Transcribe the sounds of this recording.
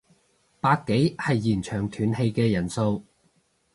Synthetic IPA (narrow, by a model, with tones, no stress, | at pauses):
paː˧kkːe˨˥jhɐ˨jːiː˨˩nt͡ʃʰœː˨˩ŋt̪ʰyː˨˩nhe˧jkɛː˧jɐ˨˩nso˧w